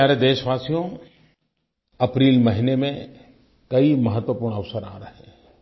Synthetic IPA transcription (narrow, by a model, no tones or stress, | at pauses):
aːɾed̪eːʃʋaːsijõ | ɐpɾiːlmɐɦinemẽ | kɐimɐɦət̪ʋəpuːɾɳ̃ɐʋsəɾã̰ːɾɐɦẽː